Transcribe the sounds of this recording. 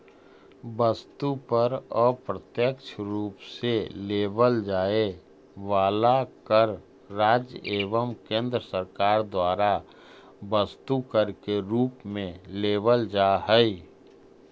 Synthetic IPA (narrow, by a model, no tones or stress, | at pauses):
bəst̪upəɾɔːpɾət̪jəkt͡ʃʰɾuːpseleːbəld͡ʒaːe | ʋaːlakəɾː | aːd͡ʒeːʋəmkẽːnd̪ɾəsəɾkaːɾd̪waːɾa | bəst̪ukəɾkeɾuːpmẽleːbəld͡ʒaɦɛi